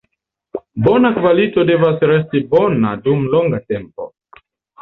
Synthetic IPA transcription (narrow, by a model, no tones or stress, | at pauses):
bɔnakuvalitɔdɛvasɾɛstibɔnadumlɔŋɡatɛmpɔ̰